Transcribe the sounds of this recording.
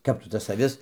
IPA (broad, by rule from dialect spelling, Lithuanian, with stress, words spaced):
ˈkɐp tʊ tɐs ɐˈʋʲɪs